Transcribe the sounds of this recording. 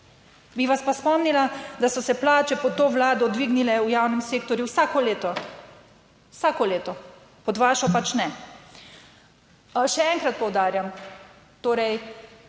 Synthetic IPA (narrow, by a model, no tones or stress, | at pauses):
biʋaspaspɔmnilad̪asɔsɛplaːt͡ʃɛpɔt̪oːʋlaːd̪ɔd̪ʋiɡnilɛujawnɛmseːk̚t̪ɔɾjuwsaːkɔleːt̪ɔ | wsaːkɔleːt̪ɔ | pɔd̪ʋaːʃɔpat͡ʃnɛ | ʃɛɛŋkɾat̪̚pɔwd̪aːɾjam | t̪oːɾɛj